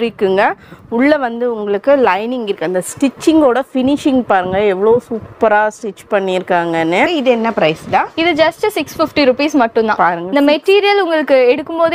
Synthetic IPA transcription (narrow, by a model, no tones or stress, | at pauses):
ʊɾɪkːɯŋɡɐʊɭːɐʋɐnd̪ɯʊŋɡɐɭɯkːɯlɐɪnɪŋɡɪɾɯkːɯɐnd̪ɐsʈɪt͡ʃːɪŋɡoːɽɐfɪnɪʂɪŋpaːɾɯŋɡɐɛʋɐɭoːsuːpːɐɾaːsʈɪt͡ʃːpɐɳːɪɪɾɯkːaːŋɡɐnːɯɪðɛnːɐpɪɾɐɪst̪ãːɪðɯd͡ʒɐsʈsɪksfɪfʈiɾʊpiːsmɐʈːɯ̃nd̪ã̰ːpaːɾɯŋɡɐnd̪ɐmɛʈːiːɾɪjɐlʊŋɡɐɭɯkːɯɛɽɯkːɯmpoːð